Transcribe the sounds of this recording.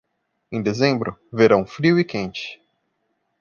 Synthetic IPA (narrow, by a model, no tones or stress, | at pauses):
ẽd̪ezẽmbɾʊveɾɐ̃w̃fɾiwɪkẽnt͡ʃɪ̥